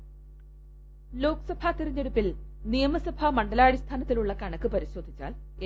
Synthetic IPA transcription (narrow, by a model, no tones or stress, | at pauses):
lo̞ːkɨsɐbʱat̪iɾiɲːeɽupːilnijɐmɐsɐbʱamɐɳɖɐlaːɽist̪ʰaːnɐt̪ːiluɭːɐkɐɳɐkːɨpɐɾiɕo̞ːd̪ʱːit͡ɕːa̰ːl